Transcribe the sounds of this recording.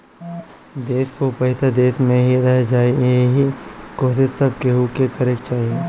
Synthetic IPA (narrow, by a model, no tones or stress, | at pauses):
d̪eːskopɐɦɪsad̪eːsmẽɦiɾəɦd͡ʒaːiɦikoːsɪt̪sɐb̚keɦukekɐɾek̚t͡ʃaːɦie